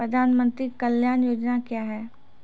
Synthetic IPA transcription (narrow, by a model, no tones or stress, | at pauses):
ɾəd̪ʱaːnmə̃nt̪ɾikɐljaːnjoːd͡ʒnakjaːɦɛː